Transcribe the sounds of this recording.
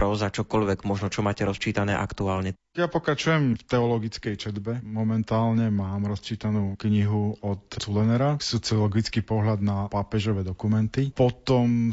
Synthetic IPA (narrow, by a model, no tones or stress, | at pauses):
pɾɔzat͡ʃɔkɔʎʋɛɡmɔʒnɔt͡ʃɔmaːcɛɾɔst͡ʃiːt̪anɛːʔa̰kt̪uaːlɲɛ | japɔkɾat͡ʃujɛmft̪ɛɔlɔɡit͡skɛjt͡ʃɛd̪bɛmɔmɛnt̪aːlɲɛmaːmɾɔst͡ʃiːt̪anuːkɲiɦuɔt̪t͡sulɛnɛɾasɔt͡siɔlɔɡit͡skipɔɦlad̪napapɛʒɔʋɛːd̪ɔkumɛnt̪ipɔt̪ɔm